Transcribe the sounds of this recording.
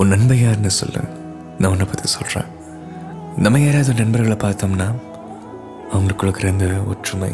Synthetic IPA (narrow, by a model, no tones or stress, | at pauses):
ɔnɐnbɐjaːɾnːɯsɔ̰lːɐ̰n | nãːnːɐpɐt̪ːisɔlrã̰ː | nɐmːɐjeːɾaːðɯnɐnbɐɾɣɐɭɐpaːɾt̪oːmnaː | ɐʋɐŋɡɐɭɯkːɯɭɯkːɪɾɐnd̪ɯɔ̰ɾʈrʊmɐ̰ɪ